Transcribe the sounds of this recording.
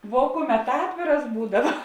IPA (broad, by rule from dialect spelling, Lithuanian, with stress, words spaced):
ʋuɔ ˈkʊˌmʲɛt ˈɑːtʲʋʲeːrɐs ˈbuːdɐʋɐ